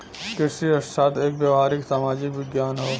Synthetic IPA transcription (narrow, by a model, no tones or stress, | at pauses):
kɪsiɐssaːt̪ʰeːkbjɐʋɦaːɾɪksaːmaːd͡ʒɪkʋɪɡjaːnɦoː